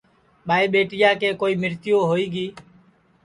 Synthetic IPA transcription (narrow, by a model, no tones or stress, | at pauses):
ɓaːiːɓeːʈɪjaːkeːkoːiːmɪɾt̪ɪjoːɦoːiːɡiː